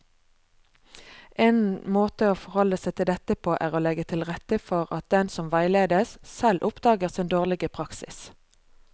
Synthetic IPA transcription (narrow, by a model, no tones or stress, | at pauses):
ʔeːnmoːt̪əoːfɔʁhɔləsæɪt̪ʰɪld̪ɛt̪əpʰoːʔæːʁoːlɛɡət̪ʰɪlʁɛt̪əfɔʁɑ̰t̪̚d̪ɛnsɔmʋæɪleːd̪əssɛlʔʊpd̪ɑːɡəʁsɪnd̪oːʁlɪɡəpʰʁɑksɪ̰s